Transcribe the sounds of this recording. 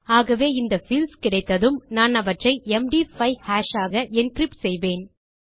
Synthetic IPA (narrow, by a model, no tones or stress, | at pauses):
aːɣɐʋeːɪnd̪ɐfɪlskɪɽɐɪt̪ːɐðɯmnaːnɐʋɐʈrɐɪɛmɖiːfɐɪhaːʃaːɣɐʔɛnkɾɪpsɛjʋeːn